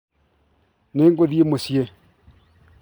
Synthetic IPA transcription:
neŋkoðiemosie

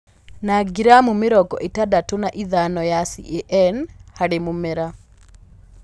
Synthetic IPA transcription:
naɡiɾamumɪɾɔɡɔ̰ʔetadatonaʔiðanɔjasḭʔeʔɛnhaɾemomɛɾa

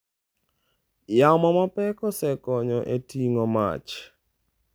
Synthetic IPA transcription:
jamɔmapɛkɔsɛkɔɲɔʔetiŋɔma̰t͡ʃ

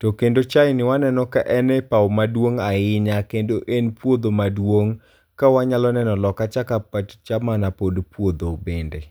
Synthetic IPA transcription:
tɔkendot͡ʃajnɪwanɛnɔkaʔɛnɛpawmadwoŋaɪɲakendoʔenpwod̪omadwoŋ | kawaɲalɔnɛnɔlɔkat͡ʃakapatt͡ʃamanapodpwod̪obende

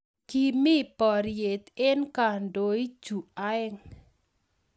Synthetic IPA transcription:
ɡ̥imipɔɾiɪt̪ɪnkaɳɖoid̥ʒ̥ṳaɪŋ

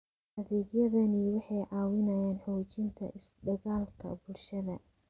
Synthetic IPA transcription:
ʔɐðɛːɡjɐðɐniwɑħɑjʕɑːwɪnɐjaːnħuːt͡ʃɪnt̪ʰɐ̰ʔɪsd̪ɐɣaːlkʰɐ̰bʊlʃɐðɐ

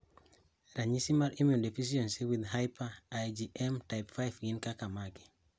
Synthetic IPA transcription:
ɾaɲisimaɾimedefis̬iɔ̃nsiwiðɦajpaːjd͡ʒiʔɛmtajpfajfɡĩnkakamaki̥

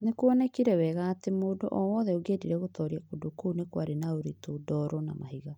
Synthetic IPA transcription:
nekuɔnɛkiɾɛwɛɣaːtemodoʔɔwɔːðɛoɡediɾɛɣotɔɾiakodokunekwaɾenaoɾitodɔɾɔna̰ma̰hiɣa

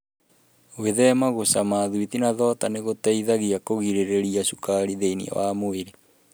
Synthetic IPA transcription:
weðɛmaɣosamaːðwiðinaðɔtaneɣotaiðaɣiakoɣiɾeɾeɾiasukaɾiðeinḭa̰wamoeɾe

